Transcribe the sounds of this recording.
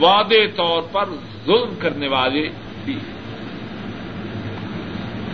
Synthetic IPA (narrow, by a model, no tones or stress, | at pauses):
ʋaːd̪et̪ɔːɾpɐɾ | zʊlmkɐɾneʋaːle | biː